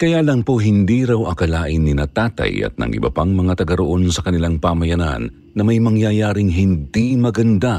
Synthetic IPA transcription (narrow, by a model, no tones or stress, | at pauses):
kɐjalɐŋpoɦɪnd̪iːɾɐwʔɐkɐlaːʔɪnːɪnɐt̪aːt̪ɐ̰jɐ̰t̪̚nɐ̰ŋʔɪ̰bɐ̰paŋmɐŋat̪ɐɡɐɾoʔo̞nsɐkɐnɪlaŋpamɐjɐna̰nːɐmɐjmɐŋjajaːɾɪŋɦɪnd̪imɐɡɐnd̪a